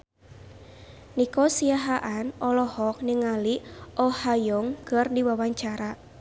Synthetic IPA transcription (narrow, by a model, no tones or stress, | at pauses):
nikɔsiaɦaʔanɔlɔhɔk̚niŋaliɔhajɔŋkɨrdiwawaɲt͡ʃaɾa